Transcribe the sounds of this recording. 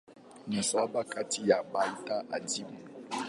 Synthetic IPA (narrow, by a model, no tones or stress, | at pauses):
nasabakatʰijabaltaʔadim